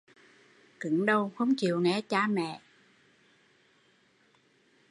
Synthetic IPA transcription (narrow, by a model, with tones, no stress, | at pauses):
kɨ˨˦ŋɗə˧wxə˧wŋ͡mt͡ɕḭ˨əwŋɛ˨˩˦t͡ɕaː˧mɛ̰˧˨